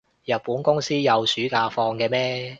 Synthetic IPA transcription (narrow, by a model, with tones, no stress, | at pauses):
jɐ˨t̚puː˨˥nkʊ˥ŋsiː˥jɐ˨˧wsyː˨˥kaː˧fɔː˧ŋkɛː˧mɛː˥